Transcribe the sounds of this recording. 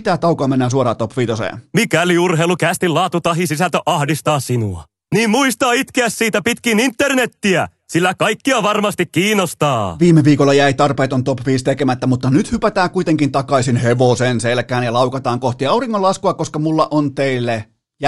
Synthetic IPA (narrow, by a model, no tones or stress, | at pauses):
t̪æt̪ɑwkoɑmenːæːs̬uoɾɑ̰ːt̪opʋiːt̪osḛːnmikæliurhɦeilukæst̪illɑːt̪ut̪ɑɦisisælt̪øʔɑhdist̪ɑːsinṵɑ̰ | niːmmuist̪ɑːit̪keæssiːt̪æpit̪kinint̪ːernet̪ːiæ | silːækɑikːiɑʋɑrmɑst̪ikkiːnost̪ɑːʋiːmːeʋiːkolːɑjæit̪ɑrpeːt̪ont̪opʋiːst̪ekemæt̪ːæmut̪ːɑnyt̪hypæt̪æːkuit̪eŋkint̪ɑkɑisinheʋosenselkæːnjɑlɑuwkɑt̪ɑːŋkoht̪iɑuriŋːolɑskuɑkːoskɑmulːɑʔont̪eilːe | jɑ